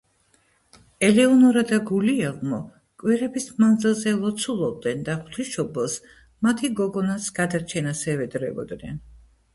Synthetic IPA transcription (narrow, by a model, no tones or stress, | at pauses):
ɛlɛɔnɔɾad̪aɡuliɛlˠmɔ | kʼwiɾɛbismand̪zilˠzɛlˠɔt̪sʰulˠɔb̚d̪ɛnd̪aχt̪ʰwiʃɔbɛlˠs | mat̪ʰiɡɔɡɔnasɡ̥ad̪aɾt͡ʃʰɛnasɛvɛd̪ɾɛ̰bɔ̰d̪nɛ̰n